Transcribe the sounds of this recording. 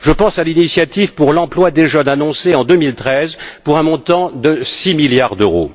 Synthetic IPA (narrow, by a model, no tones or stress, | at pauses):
ʒəpɑ̃salinisjat̪ivpuʁlɑ̃plwad̪eʒənanɔ̃seɑ̃d̪ømilt̪χɛzpuʁɛ̃mɔ̃t̪ɑ̃d̪əsimiljaʁd̪øʁo̰